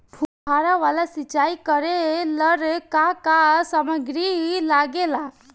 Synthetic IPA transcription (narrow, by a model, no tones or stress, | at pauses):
bʱubʱaɾaʋalasit͡ʃaːikəɾeləɾkakasaməɡɾilaɡela